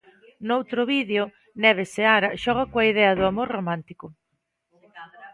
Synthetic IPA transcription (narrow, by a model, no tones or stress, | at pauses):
nowt̪ɾʊβiðeo | nɛβ̞eseaɾɐʃɔɣ̞ɐkoaiðɛɐðʊamoɾromãnt̪ikʊ